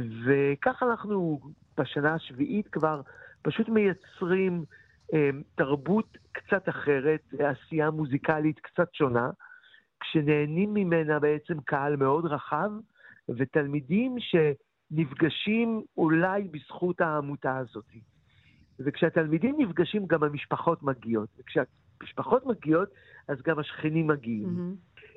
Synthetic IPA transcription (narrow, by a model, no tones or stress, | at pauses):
ve̞kaχanaχnu | b̥aʃanaaʃviʔitkvaʁpaʃutme̞jat͡sʁim | emtaʁbutkt͡sataχe̞ʁeteasijamuzikalitkt͡satʃo̞na | kʃene̞ːnimːimenabe̞et͡se̞mkʰaalme̞o̞dʁaχav | vetalmidimʃe̞ | nivɡaʃimulajbisχuthaːmutaːzo̞ti | vekʃeatalmidimnifɡaʃimɡamhamiʃpaχo̞tmaɡijo̞tvekʃea | miʃpaχo̞tmaɡijo̞t | azɡamhaʃχinimːaɡiim